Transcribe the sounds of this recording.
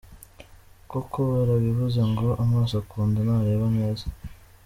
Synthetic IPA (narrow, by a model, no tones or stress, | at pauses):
kokoaɾaβiβuzaŋɡoʔamaːsoakuːndanaɾeːβaneːza